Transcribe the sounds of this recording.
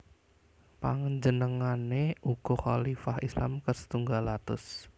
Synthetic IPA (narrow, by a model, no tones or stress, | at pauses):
paŋɲd͡ʒənəŋaneʔuɡ̥ɔχalifahislamkərsə̥t̪uŋɡalat̪ʊ̰s